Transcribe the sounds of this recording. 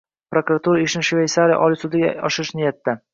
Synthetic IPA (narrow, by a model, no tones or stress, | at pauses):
pɾokuɾat̪uɾaɪʃnɪʃvʲejsaɾɪja̰ʔɒlɪsʊd̪ɪɡʲa̰ɒʃɪɾɪʃnɪjat̪ːa